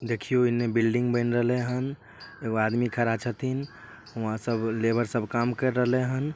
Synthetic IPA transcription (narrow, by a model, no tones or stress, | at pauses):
d̪ekʰijoɪnmebilɖĩŋɡbəɪnɾəɦleɦən | eɡoad̪mikʰəɾat͡ʃʰət̪ʰin | ʊɦãsəblebəɾsəbʱkamkəɾːəɦleɦən